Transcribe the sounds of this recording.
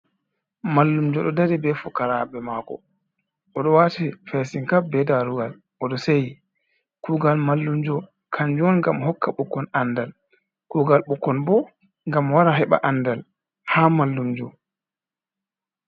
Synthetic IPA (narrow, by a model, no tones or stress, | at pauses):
malːumd͡ʒɔɗɔdaɾibɛfukaɾabɛmakɔ̰ | ʔɔɗɔwatifɛsiŋkabɛdaɾuɡal | ʔɔɗɔseji | kuːɡalmalːumd͡ʒɔ | kʰaɲd͡ʒɔnŋɡamhɔkːaɓukːɔnandal | kuːɡalɓukːɔnbɔ | ŋɡamwaɾaɦɛɓa̰ʔandal | haːmalːumd͡ʒɔ